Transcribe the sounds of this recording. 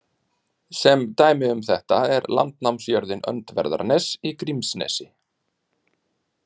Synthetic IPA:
sɛmt̪aːjmɪʏmθɛht̪aɛɾla̰nt̪nawmsjœɾðɪnœ̰nt̪vɛ̰ɾða̰ɾnɛsikɾimsnɛ̰ːsɪ

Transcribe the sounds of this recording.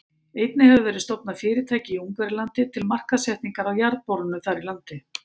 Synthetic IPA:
eːjt̪nɪhɛvʏvɛːɾɪst̪ɔpnafɪːɾɪt̪ʰaːjcɪiuŋkvɛɾɪlant̪ɪt̪ʰɪlmar̥kasɛht̪niŋkaɾawjaɾðpɔɾʏnʏθaɾilant̪ɪ

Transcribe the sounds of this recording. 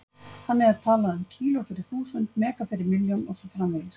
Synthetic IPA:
hanːɛɣaðt̪ʰaːlaʏmcʰiːlʊɔfɪɾɪɾ̥θuːsʏnt̪mɛːkafɪɾɪɾmɪljɔnɔsɔfɾamvɪls

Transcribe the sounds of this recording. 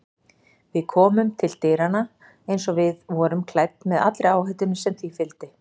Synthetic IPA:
vɪðkʰɔːmʏmt̪ʰɪlt̪eːɾana | ejnsɔvɪðvɔɾʏmkʰlajp̚t̪mɛða̰t̪lɾɪaːwhœt̪ʏnsɛmθifɪlt̪ɪ

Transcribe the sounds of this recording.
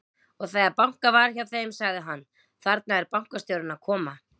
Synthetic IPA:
ɔɣθɛɣaɾpawŋ̥kavaɾ̥çjawθeːjmsaɣðɪɦanː | θaɾt̪̚naɛɾpawŋ̥kast̪jowɾʏnaðkʰɔːma

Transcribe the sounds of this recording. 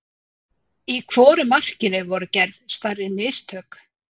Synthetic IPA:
ikʰv̥ɔːɾʏmar̥cɪnɪvɔɾʏcɛɾðst̪aɾːɪnɪːst̪ʰœːk

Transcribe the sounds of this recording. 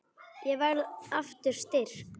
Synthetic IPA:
jɛɣvɛɣlaft̪ʏɾ̥st̪ɪɾ̥

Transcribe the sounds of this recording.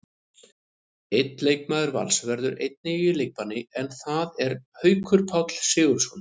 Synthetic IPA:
ejt̪nlejk̚maːðʏɾva̰lsvɛɾðʏɾḛjt̪̚nɪilejk̚panːɪɛnθaðɛɾ̥hœːɥkʰʏɾ̥pʰawt̪l̥sɪːɣʏɾ̥sɔn

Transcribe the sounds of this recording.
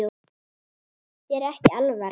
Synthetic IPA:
o | cɛɾɛhcɪalva

